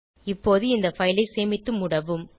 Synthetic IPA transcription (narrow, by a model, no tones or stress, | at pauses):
ɪpːoːðɯɪnd̪ɐfɐjlɐɪseːmɪt̪ːɯmʊɽɐʋɯm